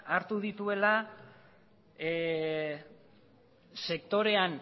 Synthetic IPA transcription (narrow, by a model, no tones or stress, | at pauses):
aɾt̪uð̞it̪ue̞la | se̞k̚t̪o̞ɾe̞an